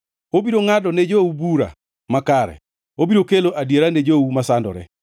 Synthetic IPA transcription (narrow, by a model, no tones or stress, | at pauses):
obiɾoŋadɔned͡ʒoubuɾa̰ | makaɾɛ̰ | obiɾokeloʔadjeɾaned͡ʒoumasandɔ̰ɾɛ̰